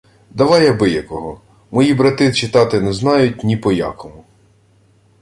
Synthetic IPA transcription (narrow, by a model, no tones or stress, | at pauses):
d̪ɐʋɑjɛbɪjɐkɔɦɔ | mɔjibɾɐt̪ɪt͡ʃɪt̪ɑt̪ɪnɛznɑjʊtʲnʲipɔja̰kɔmʊ